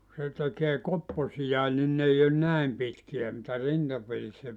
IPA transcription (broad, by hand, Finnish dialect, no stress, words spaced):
se tekeː kopːosijɑe nin n ei on næem pitkiæ mitæ rintɑperisːæ